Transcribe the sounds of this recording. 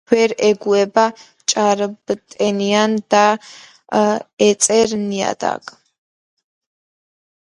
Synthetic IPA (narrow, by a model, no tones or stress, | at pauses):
wɛɾɛɡuɛba | t͡ʃʼaɾbt̪ʼɛniand̪a | ɛt͡sʼɛɾnija̰d̪a̰kʼ